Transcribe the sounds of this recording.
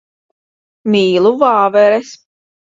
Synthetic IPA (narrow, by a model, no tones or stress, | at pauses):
miːlˠuvaːvɛɾɛs